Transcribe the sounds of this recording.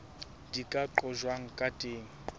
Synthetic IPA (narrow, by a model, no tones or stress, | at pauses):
dikʼaǃɔʒwaŋ̩kʼatʼeːŋ̩